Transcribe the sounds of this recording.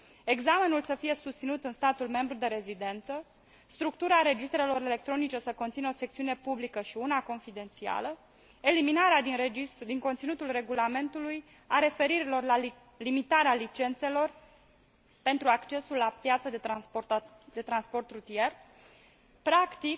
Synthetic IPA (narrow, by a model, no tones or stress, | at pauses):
e̞ɡzame̞nulsəfije̞sust̪sinut̪ɨnst̪at̪ulme̞mbɾud̪e̞ɾe̞zid̪e̞nt̪sə | st̪ɾuk̚t̪uɾaːɾe̞d͡ʒist̪ɾe̞lo̞ɾe̞le̞k̚t̪ɾo̞nit͡ʃe̞səko̞nt̪sinəo̞se̞k̚t̪siunepublikəʃiunako̞nfid̪e̞nt̪sia̰lə | e̞liminaɾead̪inɾeid̪iŋko̞nt̪sinut̪ulre̞ɡulame̞nt̪uluj | aɾe̞fe̞ɾiɾilo̞rla | limit̪aɾealit͡ʃe̞nt̪se̞lo̞r | pe̞nt̪ɾuakt͡ʃe̞sulːapjat̪səd̪e | d̪e̞t̪ɾanspo̞rt̪ɾut̪ie̞r | pɾakt̪ik